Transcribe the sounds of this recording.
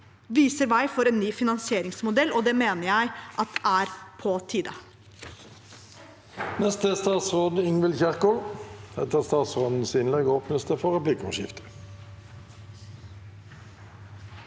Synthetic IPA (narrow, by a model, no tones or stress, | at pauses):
ʋiːsəɾʋæɪfɔɾeːnnːyːfɪnɑnsɪeːɾɪŋsmʊd̪ɛlːoːd̪ɛːmeːnəjæɪʔɑt̪̚æːɾpʰɔt̪ʰiːd̪ɑ | nɛst̪əst̪ɑːt̪sʁoːd̪əɪŋʋəlçæʁkʊlhɛt̪əʁst̪ɑːt̪sʁoːd̪n̩sɪnlɛɡoːpnəst̪əfɔʁɛplɪkɔmʃɪ̰ft̪ə̥